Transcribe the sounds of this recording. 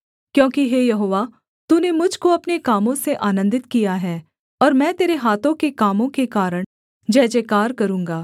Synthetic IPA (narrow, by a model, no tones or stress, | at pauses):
kjõːkiɦeːjɐɦoːʋa | t̪uːnemʊd͡ʒʱkoɐpnekaːmõseʔaːnə̃nd̪ɪt̪kijaɦɛː | ɔːɾmɛ̃ːt̪eːɾeɦaːt̪õkekaːmõkekaːɾəɽ̃ | d͡ʒɛːd͡ʒekaːɾkɐɾũːŋɡaː